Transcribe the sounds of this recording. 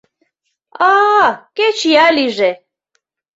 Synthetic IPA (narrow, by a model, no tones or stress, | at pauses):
akʼɛt͡ʃʰijaliʒɛ